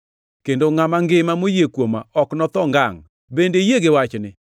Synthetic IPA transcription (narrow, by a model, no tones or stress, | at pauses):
kendoŋamaŋɡɪmamojekwomaɔknɔt̪ɔŋɡaŋ | bendejeɡɪwat͡ʃnɪ